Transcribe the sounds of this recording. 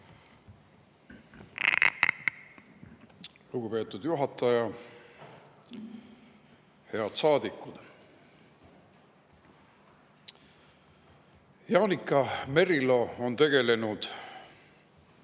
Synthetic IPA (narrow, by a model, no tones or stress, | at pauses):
luɡ̥upe̞ːt̪ːˑud̪̥juɦɑt̪ːˑɑjɑ | he̞ɑd̪̥sɑːd̪ikːˑud̪̥ | jɑːnikˑːɑme̞ɾilo̞ont̪e̞ɡ̥e̞le̞nud̪̥